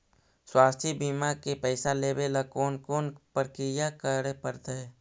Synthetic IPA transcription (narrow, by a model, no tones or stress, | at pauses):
swaːst̪ʰibiːmakepəɪsaleːbelakoːnkoːnpəɾkɪjakəɾepəɾt̪eɛ